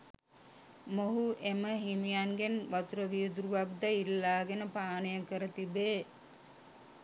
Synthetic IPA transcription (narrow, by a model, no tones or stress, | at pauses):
moɦuʔeməɦimijaŋɡenʋat̪uɾəʋijd̪uɾuʋakd̪ailːaːɡenəpaːnəjəkəɾət̪ibeː